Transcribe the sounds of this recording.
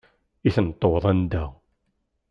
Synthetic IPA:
iθənt̪ˤːowðˤænd̪æ

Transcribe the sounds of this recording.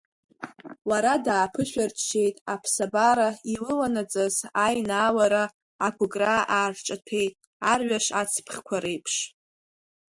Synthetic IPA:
waɾadaːpʰɨʃʷᶣarʃejtʼapʰsabaɾailɨlanat͡sʼazajnaːwaɾa | akʷʰʼʊɡʼraʔaːrʈ͡ʂʼatʰe̞jtʼ | arɥaʂat͡sʰpʰχʲkʷʰaɾejpʰʂ

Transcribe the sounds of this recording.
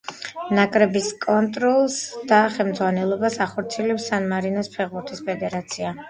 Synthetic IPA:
nakʼɾɛbiskʼɔnt̪ʼɾɔlˠsd̪̥aχɛlmd̪zʁwanɛlˠɔbasaχɔɾt̪sʰiɛlɛpsanmaɾinaspʰɛʁbuɾt̪ʰispʰɛd̪ɛɾat̪sʰia

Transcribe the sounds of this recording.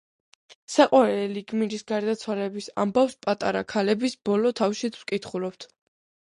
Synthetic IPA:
saqʼwaɾɛliɡmiɾisɡaɾd̪at̪sʰwalɛbisa̰mbafspʼat̪ʼaɾakʰalɛbisb̥ɔlɔt̪ʰafʃit̪sʰwkʼit̪ʰχulɔp̚t̪ʰ

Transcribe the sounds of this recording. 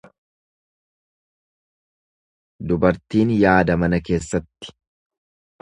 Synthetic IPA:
d̪ʊbɐɾt̪iːnjaːd̪ɐmɐnɐke̞ːsːɐt̪ːɪ̥

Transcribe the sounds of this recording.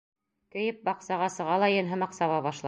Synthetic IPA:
kɵ̆jɘp̚bɑqsɑʁɑsɤ̆ʁɑlˠɑjɤ̆nɦɤ̆mɑqsɑβɑβɑʃlˠɑ

